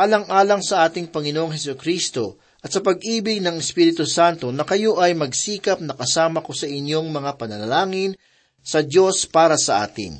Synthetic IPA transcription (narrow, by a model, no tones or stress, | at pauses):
ʔaːlɐŋʔaːlɐŋsɐʔaːt̪ɪŋpɐŋɪnoʔoŋɦɛsʊkɾiːst̪o̞ | ʔɐt̪sɐpɐɡ̚ʔiːbɪɡ̚nɐŋɛspiːɾɪt̪ʊsant̪o̞nɐkɐjo̞ʔɐjmɐɡsiːkɐp̚nɐkɐsaːmɐko̞sɐʔɪnjo̞ŋmɐŋapɐnɐlɐlaːŋɪn | sɐd̪jo̞spaːɾɐsɐʔa̰ːt̪ɪ̰ŋ